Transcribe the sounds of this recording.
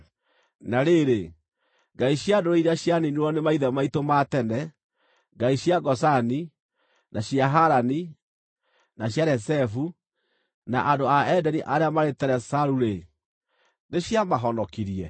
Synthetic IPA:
naɾeɾe | ŋɡaiɕjadoɾeiɾaɕjaniniɔnemaiðɛmaitomatɛnɛ | ŋɡaiɕjaɡɔsani | nʔaɕjaɦaɾani | naɕjaɾɛsɛfu | naʔadoaɛdɛniʔaɾeamaɾetɛɾɛsaɾuɾe | neɕjamaɦɔnɔkiɾiɛ

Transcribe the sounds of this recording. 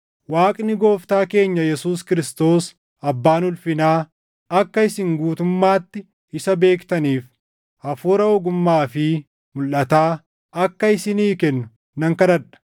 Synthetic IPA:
waːkʼnɪɡo̞ːft̪aːke̞ːɲːɐjɛsuːskɪɾɪst̪o̞ːs | ɐbːaːnʊlfɪnaː | ɐkːɐɪsɪŋɡuːt̪ʊmːaːt̪ːɪ | ɪsɐbe̞ːkt̪ɐniːf | ɐfuːɾɐɔɡʊmːaːfɪ | mʊlʔɐt̪aː | ɐkːɐɪsɪniːkɛnːʊ̥ | nɐŋkɐd̪ɐᶑɐ̥

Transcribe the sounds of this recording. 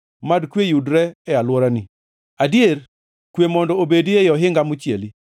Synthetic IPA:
madkwejudɾɛɛalwɔɾani | adieɾ | kwemɔndɔobediejɔɦɪŋɡamʊt͡ʃjeli

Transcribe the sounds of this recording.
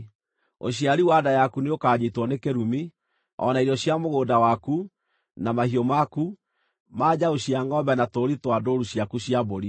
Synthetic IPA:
o̰ɕjaɾiwadajakuneokaːɲetwɔnekeɾumi | ɔ̰naiɾɔɕjamoɣoːdawaku | namahiɔmaku | maːd͡ʑaoɕiaŋɡɔbɛnatoɾitwadoɾuɕjakuɕiaboɾi

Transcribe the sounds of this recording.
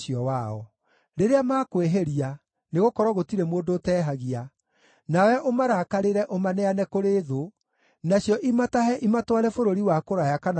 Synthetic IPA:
iɔwaɔ | ɾeɾeamaːkweɦeɾia | neɣokɔɾɔɣotiɾɛmoːndoːtɛːɦaɣia | nawɛʔomaɾakaɾeɾɛʔomanɛanɛkoɾeːðo | naɕjɔʔimataɦɛʔimatwaɾɛfoɾoɾiwakoɾajakan

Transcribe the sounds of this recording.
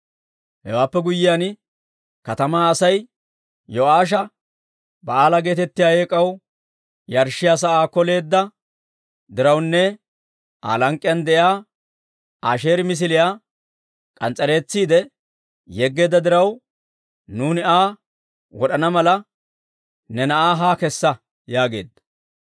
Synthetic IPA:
hɛ̰waːpːɛɡʊjːɪjaːn | kɐt̪ɐmaːɐsɐj | jɔaːʃ̬ɐ | bɐaːlɐɡe̞ːt̪ɛt̪ːɪjaːjeːkʼːɐw | jɐɾʃɪjaːs̬ɐaːkɔle̞ːd̪ːɐ | d̪ɪɾɐwnːɛ | a̰ːlɐŋkʼːɪjɐnd̪ɛjaː | aːʃe̞ːɾmɪs̬ɪlɪjaː | kʼɐnt͡sʼɐɾe̞ːt͡sːiːd̪ɛ | jɛɡːe̞ːd̪ːɐd̪ɪɾɐw | nuːnɪaː | wɔɗɐnɐmɐlɐ | nɛnɐʔaːɦaːkɛsːɐ | jaːɡe̞̰ːd̪ːɐ̥

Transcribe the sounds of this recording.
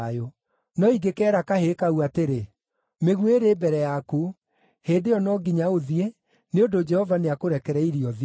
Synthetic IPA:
jo | nɔiɡekɛːɾakahekauateɾe | meɣuweɾeːbɛɾɛjaku | heːdeɔnɔɡiɲaoðie | neodod͡ʒɛhɔvaneakoɾɛkɛɾɛiɾiɔð

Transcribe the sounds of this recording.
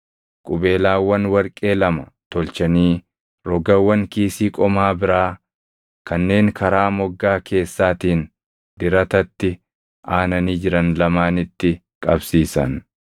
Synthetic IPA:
kʼʊbe̞ːlaːwːɐnwɐɾkʼe̞ːlɐmɐt̪ɔlt͡ʃɐniː | ɾɔɡɐwːɐŋkiːsiːkʼɔmaːbɪɾaː | kɐnːe̞ːŋkʰɐɾaːmɔɡːaːkʰe̞ːsːaːt̪iːn | d̪ɪɾɐt̪ɐt̪ːɪ | aːnɐniːd͡ʒɪɾɐnlɐmaːnɪt̪ːɪ | kʼɐbsiːsɐn

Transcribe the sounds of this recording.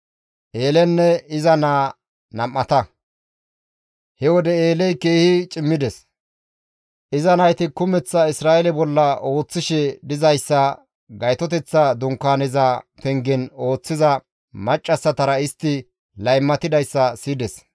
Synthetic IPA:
ʔeːlɛnːɛɪzɐnaː | nɐmːɐt̪ɐ | hɛwɔd̪ɛeːlɛjke̞ːhɪt͡ʃʼɪmːɪd̪ɛs | ʔɪzɐnɐjt̪ɪkʊmɛt͡sːɐɪsɾaːʔɛlɛbɔlːɐo̞ːt͡sːɪʃɛd̪ɪzɐjsːɐ | ɡɐjt̪ɔt̪ɛt͡sːɐd̪ʊŋkːaːnɛzɐt̪ɛŋɡɪno̞ːt͡sːɪzɐ | mɐt͡ʃʼːɐsːɐt̪ɐɾɐɪst̪ːɪ | lɐjmːɐt̪ɪd̪ɐjsːɐsiːd̪ɛs

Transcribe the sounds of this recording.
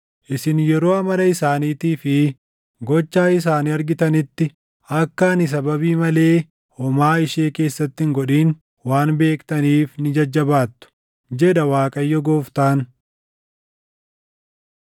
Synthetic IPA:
ʔɪsɪnjɛɾo̞ːɐmɐlɐɪsaːniːt̪iːfɪ | ɡɔt͡ʃːaːɪs̬aːniɐɾɡɪt̪ɐnɪt̪ːɪ | ʔɐkːɐːnɪs̬ɐbɐbiːmɐle̞ː | hɔmaːɪʃe̞ːke̞ːsːɐt̪ːɪŋɡɔᶑiːn | waːnbe̞ːkt̪ɐniːfnɪd͡ʒɐd͡ʒːɐbaːt̪ːʊ̥ | d͡ʒɛᶑɐwaːkʼɐjːɔɡo̞ːft̪aːn

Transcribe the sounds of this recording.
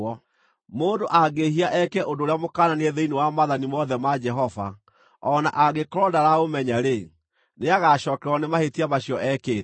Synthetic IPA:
ɔ | moːndoʔaɡeɦiaʔɛkɛʔondoːɾeamokaːnaneɛðeinewamaðanimɔðɛmad͡ʒɛɦɔva̰ | ɔna̰ʔaɣekɔɾɔdaɾaomɛɲaɾe | neaɣaʃɔːkɛɾɔnemahetiamaɕijɔʔɛkeː

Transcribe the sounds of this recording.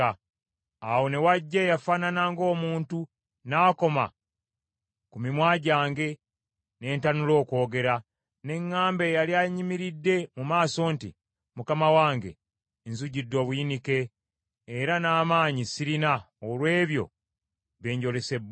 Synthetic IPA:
awo̞ne̞waɟːejafaːnanaːŋɡo̞ːmuːntu | naːko̞ma̰ | kumimwaːɟaːŋɡe̞ | ne̞ːntanulo̞ːko̞ːɡe̞ɾa | ne̞ŋːaːmbe̞ːjaljaɲimiɾidːe̞mumaːso̞ːntḭ | mukamawaːŋɡe̞̰ | nzuɟidːo̞ːβuinike̞ː | ɾanaːmaːɲisiɾina | olwe̞ːβjo̞̰ | βe̞ːɲɟo̞le̞se̞b

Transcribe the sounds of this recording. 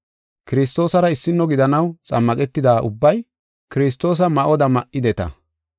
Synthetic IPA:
kɪɾɪs̬t̪o̞ːsɐɾɐɪsːɪnːɔɡɪd̪ɐnɐwt͡sʼɐmːɐkʼɛt̪ːɪd̪aːʔʊbːɐj | kɪɾɪs̬t̪ːo̞ːs̬ɐmɐʔɔd̪ɐmɐʔːɪd̪ɛt̪ɐ̰

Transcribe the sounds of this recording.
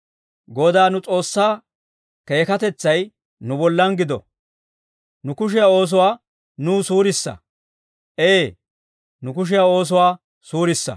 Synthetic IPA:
ɡɔd̪aːnʊt͡sʼo̞ːsːaː | ke̞ːkɐt̪ɛt͡sːɐj | nʊbɔlːɐnɡɪd̪ɔ̰ | nʊkʊʃ̬ɪjao̞ːs̬ʊwaː | nuːsuːɾɪsːɐ̰ | ʔeː | nʊkʊʃ̬ɪjao̞ːs̬ʊwaː | suːɾɪsːɐ̰

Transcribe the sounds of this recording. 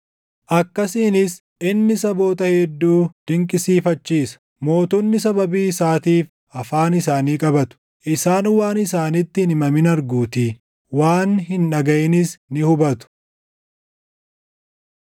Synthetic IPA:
ʔɐkːɐsiːnɪs | ɪnːɪsɐbo̞ːt̪ɐhɛd̪ːuːd̪̥ɪŋkʼɪsiːfɐt͡ʃːiːsɐ̥ | mo̞ːt̪ɔnːɪsɐbɐbiːsaːt̪iːf | ɐfaːnɪsaːniːkʼɐbɐt̪ʊ̥ | ʔɪsaːnwaːnɪsaːnɪt̪ːɪhnɪmɐmɪnɐɾɡuːt̪i | waːnhɪnᶑɐɡɐʔɛnɪsnɪhʊbɐt̪ʊ̥

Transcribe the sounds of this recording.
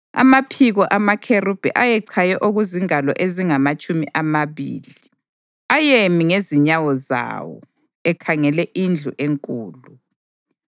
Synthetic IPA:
a̰mapʰiɣɔʔamakʰerub̥ʱɛ̰ʔajɛǀʰajɛʔoɣuziŋalɔ̰ʔeziŋamat͡ʃʼumiʔamaβḭːli | ajemiŋeziɲawɔza̰wɔ̰ | ɛkʰaŋɛlɛʔind͡ɮʱuʔeŋkʼuːlu

